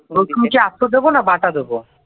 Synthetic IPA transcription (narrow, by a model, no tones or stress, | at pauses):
boumkeasod̪ebonabaʈad̪ebo